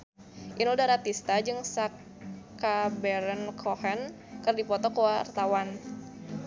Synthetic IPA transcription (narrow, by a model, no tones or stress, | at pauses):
ʔinudahɾat̪ist̪ad͡ʒɨŋsak | abɛɾənkʰohɛn | kərdipɔt̪ɔkwart̪awan